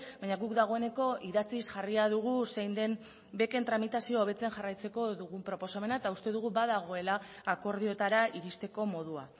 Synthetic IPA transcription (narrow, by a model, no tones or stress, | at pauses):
baɲaɣukd̪aɣ̞o̞e̞ne̞ko̞iðat͡sisʝariaðuɣ̞usejnd̪e̞n | be̞ke̞nt̪ɾamit̪asiooβe̞t͡se̞nʝarajt͡se̞ko̞ðuɣumpɾo̞po̞same̞naet̪aust̪e̞ð̞uɣubaðaɣ̞o̞e̞laːko̞ɾðio̞t̪aɾaʔiɾist̪e̞ko̞mo̞ð̞ua̰